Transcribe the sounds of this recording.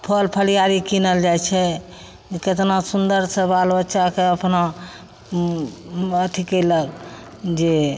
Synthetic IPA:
pʰəlpʰəlijaɾikinəld͡ʒajt͡ʃʰɛ | ket̪nasund̪əɾsebalbətːʃakeəpna | ət̪ʰikələɡ | d͡ʒe

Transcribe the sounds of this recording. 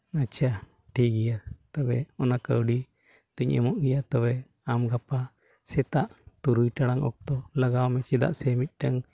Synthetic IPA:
at͡ʃʰa | ʈʰik̚ɡijat̪ɔbɛɔnakəwɖi | t̪əɲɛ̰mɔʔɡɛjat̪ɔbɛ | amɡapa | sɛt̪aʔt̪uɾujʈaɽaŋɔ̰k̚t̪ɔlaɡawmɛt͡ʃɛd̪a̰ʔsɛmit̪̚ˀʈaŋ

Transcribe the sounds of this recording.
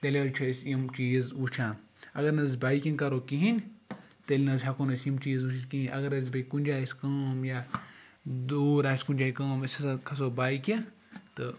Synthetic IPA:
t̪ɐlʲeɾt͡ʃʰɐsjimt͡ʃiːzut͡ʃʰãː | ɐɡɐɾnɐzbaːikʲinkɐɾoːkiɦinʲ | t̪elʲinɐzʲɦɐkonɐsjimt͡ʃiːzusʰiskiɦinʲʔɐ̰ɡɐɾɐz̬ʲbɐkunʲd͡ʒaːiskɐːmjaː | d̪oːɾaːsʲkunʲd͡ʒaːikɐːmɐsʲɐsɐkʰɐs̬oːbaːikẽ | t̪ɨ

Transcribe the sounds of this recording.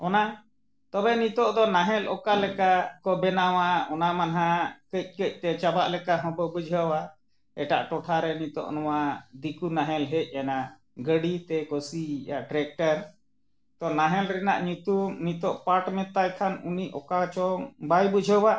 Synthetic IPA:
ɔna | t̪ɔbɛnit̪ɔʔd̪ɔnaɦɛlʔɔ̰kalɛkakɔbɛnawaɔnamanaɦakəc̚ˀkəc̚t̪ɛt͡ʃabaʔlɛkaɦɔ̃bɔbud͡ʒʱəwa | ɛʈa̰ʔʈɔʈʰaɾɛnit̪ɔ̰ʔnɔwad̪ikunaɦɛlɦɛc̚ˀana | ɡəɽit̪ɛkɔsijaʈɾɛk̚ʈəɾ | t̪ɔnaɦɛlɾɛna̰ʔɲut̪unit̪ɔʔpaʈmɛt̪ajkʰanuniʔɔkat͡ʃɔŋbajbud͡ʒʱəwa

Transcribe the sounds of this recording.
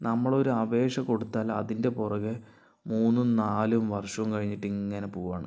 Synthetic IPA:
nɐmːɐɭo̞ɾuɐʋe̞ːʂɐko̞ɽut̪ːaːlɐ̰ðinde̞purɐɣɨ | muːnːunaːlumʋɐrʂɐumkɐɻiɲːiʈːiŋːɐne̞puːʋaːɳɨ

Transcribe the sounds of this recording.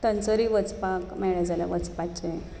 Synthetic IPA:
t̪ənt͡səɾiʋət͡spakmɛɭed͡zala̰ʋət͡spat͡ɕe

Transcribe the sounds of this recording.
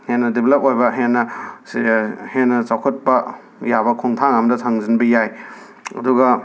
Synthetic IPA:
henːɐdebʱelɐp̚ojbɐɦenːɐshenːɐt͡ʃawkʰɐt̚pɐ | jabɐkʰɔŋtʰaŋɐmɐdɐtʰaŋzinbɐjaj | ɐ̰duɡɐ

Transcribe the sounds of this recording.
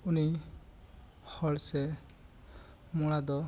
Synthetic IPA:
uni | hɔlsɛ | mɔɽad̪ɔ

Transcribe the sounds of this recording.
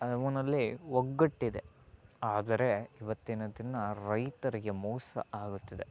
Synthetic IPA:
ɐʋɐnɐlːiwoɡːɐʈːid̪e | aːd̪ɐɾe̞iʋɐt̪ːinɐd̪inːɐɾɐjt̪ɐɾiɡe̞mɔːsɐ̰aːɡut̪ːɐd̪e̞

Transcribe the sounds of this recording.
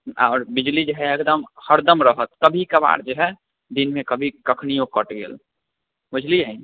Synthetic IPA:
aːɾbid͡ʒlid͡ʒəɦɛekd̪əmhəɾd̪əmɾəɦət̪̚kəbʱikəba̰ɽd͡ʒeɦɛ | d̪inmekəbʱikəkʰnijõkəʈɡḛːl | bʊd͡ʒliai

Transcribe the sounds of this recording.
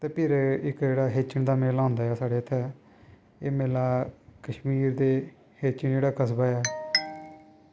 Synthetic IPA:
t̪eːpʰɪɾɪkd͡ʒeːɽaːɦeːt͡ʃəɳd̪aːmeːlãːnd̪aːjaːsaːɽeːt̪ʰːɛː | eːmeːlaːkəʃmiːɾd̪eː | heːt͡ʃəɳd͡ʒeːɽaːkəsbaːɛː

